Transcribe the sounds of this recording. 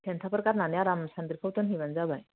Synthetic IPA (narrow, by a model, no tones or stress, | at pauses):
ɛnt̪ʰapɾəkaɾnanjaɾamsand̪iɾpʰəwt̪ənɦiʋand͡zabaj